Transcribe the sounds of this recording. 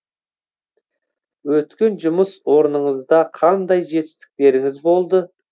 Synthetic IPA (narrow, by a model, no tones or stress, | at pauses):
wɵt̪kʲe̞nʒʊməswo̞ɾnəɴəzd̪ɑqʰɑnd̪ɑjʒe̞t̪ɪ̥st̪ɪ̥k̚t̪e̞ɾɪŋɪzbo̞lˠd̪ə